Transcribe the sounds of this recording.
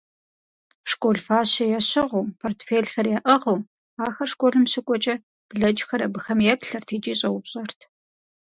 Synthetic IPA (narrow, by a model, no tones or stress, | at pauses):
ʂkʷʼoɮfaːɕɐjɛɕɪʁuːpʰoːrtfeːɮxɐrjɛʔɐʁuː | aːxɐrʂkʷʼoɮɨmɕɪkʷʼɔt͡ʃʼɐ | b̥ɮɐd͡ʒxɐɾɐbɨxɐmjɛpɬɐrtʰeːt͡ʃʼiːɕʼɐwʊpɕʼɐrtʰ